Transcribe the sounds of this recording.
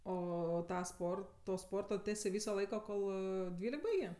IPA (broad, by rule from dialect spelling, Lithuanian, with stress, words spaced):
ˈoː ˈtɑː ˈspoːrtoː toː ˈspoːrtoː ˈtʲæːsʲeː ˈʋʲiːsoː ˈlˠɐɪkoː ˈkoːlˠ ˈdʲʋʲiːlʲɛk ˈbɐɪɡʲeː